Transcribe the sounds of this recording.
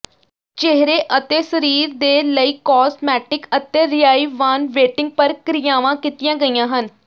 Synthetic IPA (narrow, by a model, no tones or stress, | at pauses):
t͡ʃeɦɾeːʔət̪eːsəɾiːɾd̪eːləiːkɔːsmɛːʈɪkət̪eːɾɪjaːiːʋaːnʋeːʈɪŋɡ̚pəɾkɾɪjaːʋãːkit̪ɪjãːɡəijãːɦən